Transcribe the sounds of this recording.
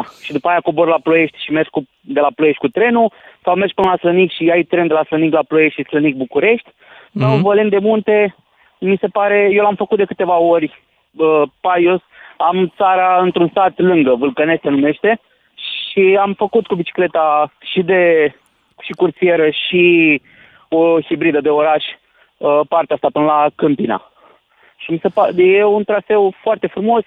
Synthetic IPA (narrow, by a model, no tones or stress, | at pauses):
ʃid̪upaːjakoborlaploje̞ʃt̪ʲʃime̞rʃku | d̪e̞laploje̞ʃt̪ʲkut̪ɾe̞nusawme̞rʒ̚pɨnəlaslənikʃiajt̪ɾend̪e̞lasləniklaplojeʃislənik̚bukuɾe̞ʃt̪ʲ | sawvəlend̪e̞munt̪e̞ | mise̞paɾe̞jelamfəkut̪̚d̪e̞kɨt̪e̞vao̞rʲ | əpajosamt̪saɾaɨnt̪ɾunsat̪lɨŋɡəvɨlkəne̞st̪enume̞ʃt̪e̞ | ʃiamfəkut̪kubit͡ʃi̥kle̞t̪aʃid̪e̞ | ʃikurt̪sie̞ɾəʃi | ohibɾid̪əd̪e̞o̞ɾaʃʲ | əpart̪east̪apɨnəlakɨmpina̰ | ʃimise̞pajeunt̪ɾafe̞wfoart̪e̞fɾumo̞s